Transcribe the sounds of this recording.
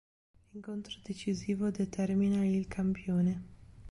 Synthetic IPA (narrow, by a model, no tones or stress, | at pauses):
iŋkont̪ɾod̪et͡ʃiziːvod̪et̪ʰɛrminailkʰampjoːne